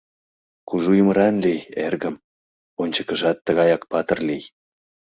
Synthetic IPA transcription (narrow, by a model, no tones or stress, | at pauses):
kuʒujməɾɑnlijerɣəm | onʲt͡ɕəkəʒɑt̪ːəɣɑjɑkpɑt̪ərlij